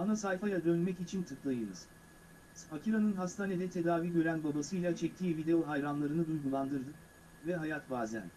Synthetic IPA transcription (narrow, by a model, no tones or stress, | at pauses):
anasajfajad̪ønmɛcit͡ʃʰint̪ʰɯklˠajɯnɯ̰z̥ | hacʰiɾanɯnɦast̪ʰaːned̪ɛt̪ʰe̞d̪aːviːɟø̞ɾænbabasɯjlʲˠat͡ʃʰɛc̚t̪ʰiːvid̪e̞oɦajɾanlˠaɾɯnɯd̪ujɡulˠand̪ɯɾd̪ɯk | vɛɦajat̪baːzæ̰n